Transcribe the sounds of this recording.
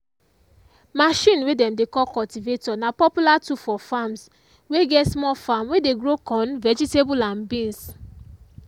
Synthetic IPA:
maʃĩnwedɛ̃mdekɔlkɔltivetɔnapɔpjulatufɔfams | weɡɛtsmɔfamwedeɡɹokɔ̃nvɛd͡ʒitebulãnbĩns

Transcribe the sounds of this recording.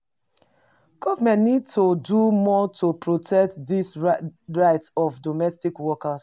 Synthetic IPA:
ɡ̥ɔvəmɛ̃ntnid̚todumɔtʰopʰɹotʰɛk̚tdisɹaɪtɔfdɔmɛstikwɔkas

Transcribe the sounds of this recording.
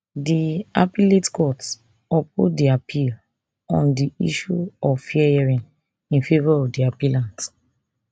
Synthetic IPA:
diapiletkɔts | ɔp̚ṵdiapʰil | ɔ̃ndiḭʃuɔffiɛɛɹĩn | ĩnfevaɹɔvdiapilãnt

